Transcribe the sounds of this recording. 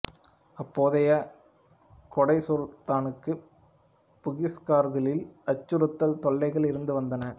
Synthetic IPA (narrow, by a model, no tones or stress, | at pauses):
ɐpːoːðɐjɐ | kɔɽɐɪsoːlt̪aːnɯkːɯ | pʊɣɪskaːɾɣɐɭɪlɐt͡ʃːɯɾɯt̪ːɐlt̪ɔɭːɐɪɣɐɭɪɾɯnd̪ɯʋɐnd̪ɐnɐ